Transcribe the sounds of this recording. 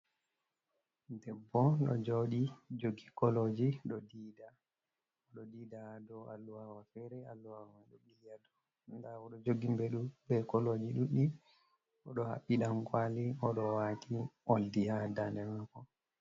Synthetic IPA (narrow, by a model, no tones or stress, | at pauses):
dɛbːɔɗɔ̰d͡ʒoɗid͡ʒoɡikɔlod͡ʒiɗɔdiːda | ɔɗɔdidahadɔalːuwawafɛɾɛalːuawwaɗɔɓijadɔ | ndaɔɗɔd͡ʒoɡimbɛɗubɛkɔlod͡ʒiɗuɗi | ɔɗɔha̰ɓːiɗamkwaliɔɗɔwatiʔoldihadandɛmakɔ